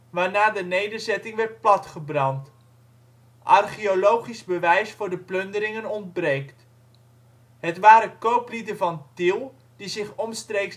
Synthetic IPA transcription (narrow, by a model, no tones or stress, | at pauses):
ʋaːɹnaːdənejdəɹzɛtɪŋʋɛɹt̚plɑtχəbrɑnt | ʔɑrχiolowχizbəʋɛjsfʊːɹdəplɵndəɾɪŋənɔnd̚brejkt | ɦətʋaːɾəkowplidənvɑntɪlˠ | d̥izɪχɔmstrejks